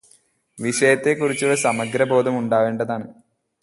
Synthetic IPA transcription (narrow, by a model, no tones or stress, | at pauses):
ʋiʂɐjɐt̪ːe̞kːurit͡ɕːuɭːɐsɐmɐɡɾɐbʱo̞ːd̪ɐmuɳɖaːʋeːɳɖɐðaːɳɨ